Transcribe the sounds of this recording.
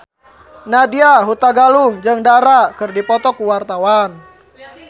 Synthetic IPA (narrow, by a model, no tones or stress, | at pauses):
nadiaɦut̪aɡaluŋd͡ʒɨŋdaɾakɨrdipɔt̪ɔkuwart̪awan